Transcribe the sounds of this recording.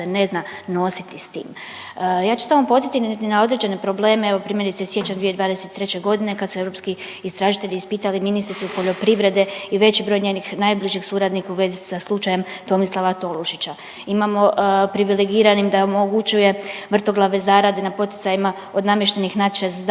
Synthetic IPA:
ene̞znano̞sit̪ist̪ḭːm | jaːt͡ʃu̥samopo̞zit̪int̪inao̞d̪ɾe̞d͡ʑe̞ne̞pɾo̞ble̞ːmeeʋopɾimje̞ɾit̪esje̞t͡ɕand̪ʋijed̪ʋaːd̪eset̪ːɾe̞t͡ɕe̞ɡo̞d̪ine̞kad̪sue̞vɾo̞pski | ist̪ɾaʒit̪e̞ʎiːspiːt̪aliminist̪ɾit̪supo̞ʎo̞pɾiʋɾe̞d̪e̞iʋe̞t͡ɕibɾo̞jɲenixnajbliʒixsuːɾad̪nikauʋe̞ːzisaslˠut͡ʃaje̞m | t̪o̞mislˠaʋat̪o̞luʃit͡ɕa | imamo̞pɾiʋileɡiːɾanimd̪aomoɡut͡ɕuje̞ʋr̩t̪o̞ɡlˠaʋe̞zaːɾad̪enapo̞t̪i̥t̪ajima | o̞d̪namje̞ʃt̪enixnat̪t͡ʃez

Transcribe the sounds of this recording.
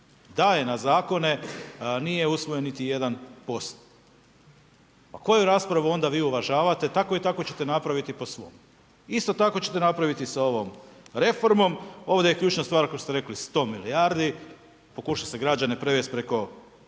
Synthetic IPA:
d̪ajenazaːko̞ne̞nijeusʋo̞jenːit̪ije̞d̪anpo̞st̪ | pako̞juɾaspɾaʋuo̞nd̪aʋiːuʋaʒaːʋat̪e̞t̪ako̞it̪ako̞t͡ɕe̞t̪enapɾaʋit̪ipo̞sʋo̞̰m | ist̪o̞t̪ako̞t͡ɕe̞t̪e̞napɾaʋit̪isao̞ʋo̞mɾe̞fo̞ɾmo̞mo̞ːʋd̪ajekʎuːt͡ʃnast̪ʋaːɾkost̪eɾe̞klist̪o̞ːmilijaɾd̪i | po̞kuʃase̞ɡɾad͡ʒane̞pɾeʋest̪̚pɾe̞ko̞

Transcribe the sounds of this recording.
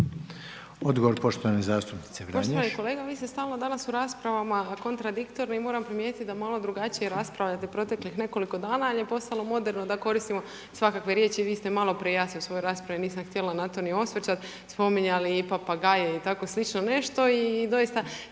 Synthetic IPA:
od̪ɡoʋoɾpo̞ʃt̪oʋanezaːst̪upni̥t̪sepɾpoʃt̪ʋaniko̞le̞ːɡaʋiːst̪e̞st̪aːlnod̪anasuɾaːspɾaʋamako̞nt̪ɾad̪ikt̪o̞ɾnoimo̞ːɾampɾimjet̪it̪d̪amalˠo̞d̪ɾuɡat͡ɕijeɾaspɾaʋʎat̪epɾo̞t̪e̞klixne̞ko̞liko̞d̪aːnaaljepo̞st̪alˠo̞mo̞d̪e̞ɾnod̪ako̞ɾist̪imo̞ | sʋakakʋe̞ɾje̞ːt͡ɕiʋiːst̪e̞malo̞pɾejaːsniosʋo̞joɾaːspɾaʋiniːsamxt̪je̞lanat̪o̞nio̞sʋt͡ʃat̪ | spo̞miɲaliːpapaɡajeit̪ako̞slˠit͡ʃno̞ne̞ʃt̪o̞id̪o̞jist̪a

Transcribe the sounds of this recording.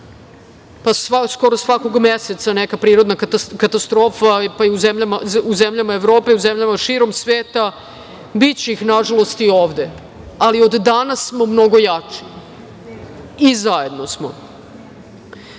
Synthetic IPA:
pasasko̞ɾosʋako̞ɡmeset̪sanekapɾiːɾo̞d̪nakat̪ast̪ɾo̞ːfapaiuzemʎamauzemʎamaeʋɾo̞ːpe̞iuzemʎamaʃiɾo̞msʋeːt̪a | bit͡ɕeixnaʒalˠo̞st̪ioːʋd̪e̞ | alio̞d̪ːanasːmo̞mno̞ɡo̞jat͡ʂi̥ | izaje̞d̪nosmo̰

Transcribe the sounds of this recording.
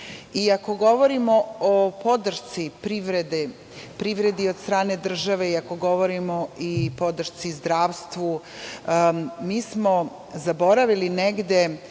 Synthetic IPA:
iako̞ɡo̞ʋo̞ɾimo̞opo̞d̪r̩ʃt̪sipɾiʋɾed̪e | pɾiʋɾe̞d̪io̞d̪st̪ɾaːne̞d̪r̩ʒaʋe̞iako̞ɡo̞ʋo̞ɾimo̞ipo̞d̪ɾr̩ʃt̪sizd̪ɾaːʋst̪ʋu | miːsmo̞ | zabo̞ɾaʋilineɡd̪e̞

